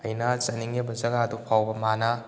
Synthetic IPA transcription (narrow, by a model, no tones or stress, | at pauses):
ɐjnat͡ʃɐniŋebɐzɐɡadupʰawbɐmana